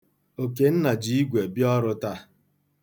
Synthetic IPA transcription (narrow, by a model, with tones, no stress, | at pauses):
o˨ke˨n̩˦na˨d͡ʒi˨i˦ɡʷe˨bjɔ˦ɾʊ˦ta˦